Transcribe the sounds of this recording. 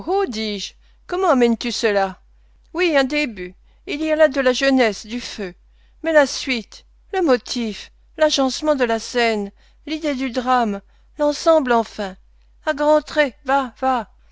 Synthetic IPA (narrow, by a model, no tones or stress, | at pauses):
od̪iʒ | kɔmɑ̃amɛnt̪ysəla | wiɛ̃d̪eby | ilialad̪əlaʒənɛsd̪yfø | mɛlasɥit̪ | ləmɔt̪ʰif | laʒɑ̃smɑ̃d̪əlasɛn | lid̪ed̪yd̪ʁam | lɑ̃sɑ̃blɑ̃fɛ̃ | aɡʁɑ̃t̪χevava